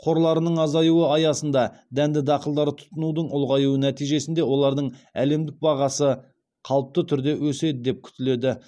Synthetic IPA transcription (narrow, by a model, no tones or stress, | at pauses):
qʰo̞ɾlˠɑɾənəɴɑzɑjuwəɑjɑsən̪d̪ɑd̪ænd̪ɪd̪ɑqəlˠd̪ɑɾət̪ʰʊ̥t̪ənud̪əɴʊlˠʁɑjuənæt̪ijʒe̞sɪnd̪e̞wo̞lˠɑɾd̪əɴæ̰le̞md̪ɪk̚bɑʁɑsə | qʰɑlˠəp̚t̪ət̪ʰʏɾd̪e̞wɵse̞d̪ɪd̪e̞p̚kʲʰʏ̥t̪ɪle̞d̪ɪ